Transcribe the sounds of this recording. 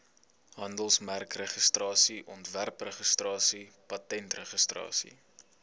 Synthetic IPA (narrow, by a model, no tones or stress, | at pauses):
ɦɐndəlˠsmærkrəχəstrɑːsiʔɔntværprəχəstrɑːsipɐtɛntrəχəstrɑ̰ːsḭ